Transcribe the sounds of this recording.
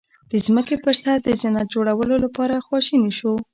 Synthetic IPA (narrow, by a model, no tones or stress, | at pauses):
d̪̥əzməkepəɾsaɾd̪əzanat̪̚d͡ʒoɽawəlolapɑɾaxwɑʃiniʃo